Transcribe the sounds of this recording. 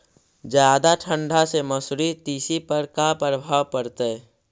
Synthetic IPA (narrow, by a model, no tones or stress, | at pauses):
d͡ʒjaːd̪aʈʰə̃ɳɖʱaseməsɾit̪iːsipəɾkapɾəbʱaːwpəɾt̪e